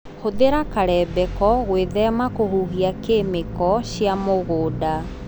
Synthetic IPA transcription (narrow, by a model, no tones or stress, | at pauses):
hoðeɾakaɾɛbɛkɔɣweðɛmakohuɦiakemekɔɕjamoɣoːda